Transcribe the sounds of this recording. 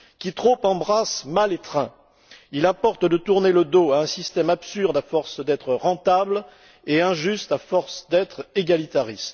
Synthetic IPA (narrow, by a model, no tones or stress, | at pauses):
kʲit̪χopɑ̃bʁasmalet̪χɛ̰̃ | ilɛ̃pɔʁt̪d̪ət̪uʁneləd̪oaɛ̃sist̪ɛmapsyʁd̪afɔʁsd̪ɛt̪χəʁɑ̃t̪abl | eɛ̃ʒyst̪afɔʁsd̪ɛt̪χeɡalit̪aʁist̪